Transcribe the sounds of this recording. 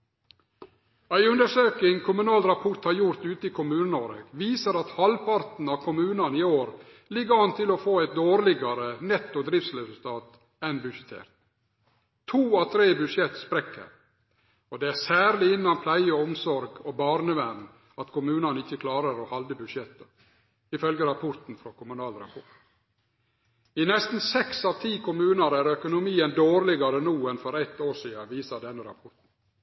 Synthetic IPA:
æɪʉnd̪əʂøːkɪŋkʰʊmʉnɑːlɾɑpʰɔt̪hɑɾjʊɾt̪ʉːt̪əɪkʰʊmʉːnənoːɾəɡʋiːsəɾɑt̪hɑlpɑɾt̪n̩ɑʋkʰʊmʉːnɑnɪoːɾ | lɪɡəhɑnt̪ʰɪlɔfoːæɪt̪̚d̪oːɾlɪɡɑɾənɛt̪ːʊd̪ɾɪftsɾɛsʉlt̪ʰɑːt̪ | æɪnbʉʂət̪ʰḛːɾt̪ | t̪ʰːuːɑt̪ʰɾeːbʉʂjɛt̪ːspɾɛkʰːə̰ɾ | ɔd̪ɛæsæːɾlɪɪnːɑnpʰlæɪəɔɔmsɔɾɡɔbɑːɾnəʋæɾn | ɑt̪kʰʊmʉːnɑnəɪçːəkʰlɑːɾəɾɔhɑld̪əbʉdʂjɛt̪ːə | ɪfœlɡəɾɑpʰɔɾt̪n̩fɾokʰʊmʉnɑːlɾɑ̰pʰɔʈ | ɪnɛst̪n̩sɛksɑʋt̪ʰiːkʰʊmʉːnɑɾæɾœkʊnʊmiːənd̪oːɾlɪɡɑɾənuːɛnfɔɾɛt̪ːoːʂiːɑʋiːsɑd̪ɛnːəɾɑ̰pʰɔɾʈ̪n̩

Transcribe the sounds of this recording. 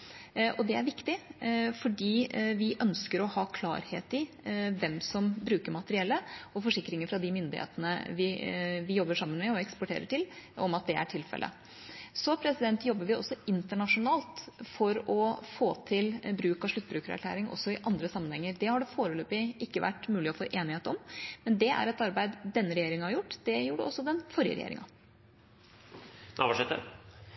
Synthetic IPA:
ʔɔd̪ɛæɾʋɪkt̪ɪfɔɖiːʋɪʔœnskəɾɔhɑːkʰlɑ̰ːɾhḛːt̪ɪ | ʋɛmsɔmbɾʉːkəɾmɑt̪əɾɪɛlːəɔfɔʂɪkːɾɪŋəfɾɑd̪ɪmʏnd̪ɪhḛːt̪ənə̰ʋɪʋɪjɔbːəʂɑmːənmɛɔɛkspɔʈʰḛːɾəʈʰɪlɔmɑt̪̚d̪ɛæ̰ʈʰɪlfɛ̰lʔə̰ | sɔpʰɾɛsɪd̪ɛnt̪jɔbːəɾʋɪɔ̰sːɔɪnt̪əɳɑʂʊnɑːlt̪fɔɾɔfoːt̪ʰɪlbɾʉːkɑʂɭʉt̪ːbɾʉːkəɾæ̰ɾkʰlæ̰ːɾɪŋʔɔ̰sːɔɪʔɑnd̪ɾəsɑmːənhɛŋːəɾd̪ɛhɑɖɛfoːɾəløːpɪʔɪkːəʋæ̰ʈːmʉːlɪɔfoːʔeːnɪheːt̪ɔmmɛnd̪ɛæ̰ɾɛt̪ɑɾbæɪd̪d̪ɛnːəɾɛjeːɾɪŋhɑɾjʊʈːd̪̥ɛjuːɖɛ̰ʔɔsːɔd̪ɛnfɔɾjə̰ɾɛ̰jḛɾɪ̰ŋɑ̰ | nʔɑ̰ʋɑʂɛt̪ːə̰

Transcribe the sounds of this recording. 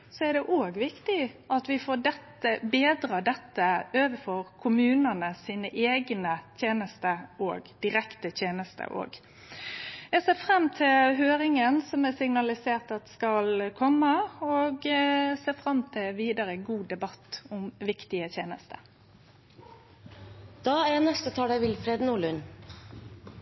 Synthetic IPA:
sɔæɖ̪ɛʔoːɡʋɪkt̪ɪʔɑt̪ʋɪfoːɖɛt̪ːəbeːd̪ɾɑːd̪ɛt̪ːəøːʋəfɔɾkʰʊmʉːnənəsiːnəʔeːɡnət̪ʰjeːnəst̪əo̰ːɡd̪̥ɪɾɛkt̪ət̪ʰjeːnəst̪ə̰ʔo̰ːɡ | jɛseːfɾɑmːt̪ʰɪlɦøːɾɪŋənsɔmɛsɪŋnɑlɪseːʁt̪ɑt̪skɑlkʰɔmːəoːɡseːfʁɑmːt̪ʰɪʋiːd̪ɑɾəɡuːd̪ɛbɑt̪ːʊmʋɪkt̪ɪət̪jeːnəst̪ə̰ | d̪̥ɑːænɛst̪ət̪ʰɑːɖ̪æɪʋɪlfɾeːd̪nuːɭʉn

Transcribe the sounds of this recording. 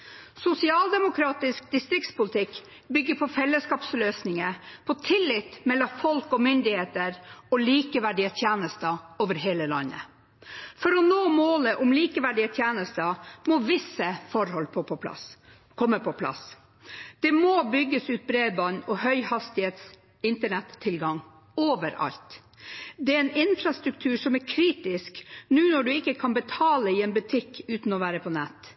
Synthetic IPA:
sʊsɪɑːld̪ɛmʊkʰɾɑːt̪ɪsk̚d̪ɪst̪ɾɪk̚t̪spʊlɪt̪ʰɪk | bʏɡːəpʰɔfɛlːəskɑːpsløːsnɪŋəpʰɔt̪ʰɪlːɪt̪mɛlːɔfɔlkɔmʏnd̪ɪheːt̪əɾɔliːkəʋæɖiət̪ʰjeːnəst̪əoːʋəɾɦeːləlɑ̰nːə̰ | fɔɾɔnoːmoːləʔʊmliːkəʋæɖiət̪ʰjeːnəst̪əmɔʋɪsəfɔɾhɔlpʰɔpʰɔpʰlɑ̰s | kʰɔmːəpʰɔpʰlɑ̰s | d̪̥ɛmoːbʏɡːəsʉːt̪̚bɾeːd̪bɑnɔɦœʏhɑst̪ɪheːt̪s | ɪnt̪əɳɛt̪ʰːɪlɡɑŋ | oːʋəɾɑ̰lt̪ | d̪ɛɛnɪnfɾɑst̪ɾʉk̚t̪ʰʉːʂɔmæɾkʰɾiːt̪ɪsknʉːnɔɖʉɪkːəkʰɑnbət̪ʰɑːləɪɛnbʉt̪ʰɪkːʉːt̪n̩ɔʋæːɾəpʰɔnɛt̪ː

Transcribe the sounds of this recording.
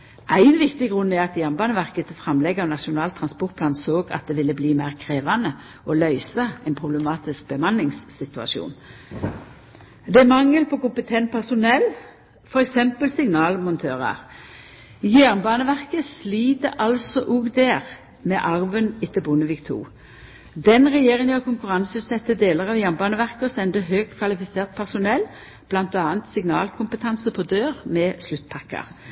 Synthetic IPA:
ʔæɪnʋɪkt̪ɪɡʁʉnːæʁɑt̪jæʁnbɑːnəʋæʁkət̪fʁɑmlɛɡːɑʋnɑʃʊnɑːlt̪ʰʁɑnspɔʁt̪pʰlɑːnsoːɡɑ̰t̪̚d̪ɛʋɪlːəbliːmæɪʁkʰʁeːʋɑnə | ɔlœʏsɑɛɪnpʰʁʊbləmɑːt̪ɪsk̚b̥əmɑnɪŋsːɪt̪ʉɑ̰ʃṵːn | d̪ɛæmɑŋːəlpʰɔkʊmpət̪ʰɛnt̪̚pʰæʁsʊnɛl | fɔʁɛksɛmpəlsɪŋnɑːlmʊnt̪ʰøːʁɑ̰ɾ | jæːʁnbɑːnəʋæʁkəsliːd̪əʔɑlsɔʔʊɡd̪æːʁ | mɛʔɑʁʋənɪt̪ːəbʊnəʋɪkt̪ʰṵː | d̪ɛnʁɛjeːʁɪŋjɑʁkʰʊŋkʉʁɑnsəʉːt̪sɛt̪ːəd̪eːləʁɑʋjæːʁnbɑːnəʋæʁkəɔsɛnd̪əɦøːɡ̚t̪kʰʋɑlɪfɪseːʁt̪̚pʰæʁsʊnɛlː | b̥lɑnt̪ɑːənt̪sɪŋnɑ̰ːlkʰʊmpət̪ʰɑnsəpʰɔd̪øːʁmɛslʉt̪ːpʰɑkːə̰ʁ

